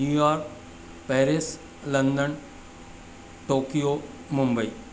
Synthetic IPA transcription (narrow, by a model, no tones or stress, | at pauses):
juːjaːɾk | pɛːɾɪs | lə̃nd̪ən | ʈoːkijo | mʊ̃mbəḭː